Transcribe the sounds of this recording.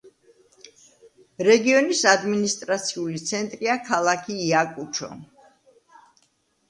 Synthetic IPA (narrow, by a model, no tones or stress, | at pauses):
ɾɛɡiɔnisad̪minist̪ʼɾat̪sʰiulit̪sʰɛnt̪ʼɾiakʰalˠakʰiːakʼut͡ʃʰɔ̰